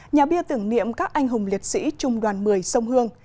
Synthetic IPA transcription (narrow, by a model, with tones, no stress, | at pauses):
ɲaː˨˩ɓi˧ət̪ɨ˧˩əŋnḭ˧˨əmkaː˦˥k̚ʔa˧jŋ̟ɦʊ˨˩ŋ͡mli˨˩ət̚sḭ˧˥t͡ɕʊ˨˧˩ŋ͡mɗwaː˨˩nmɨ˨˩əjsə˧wŋ͡mhɨ˧əŋ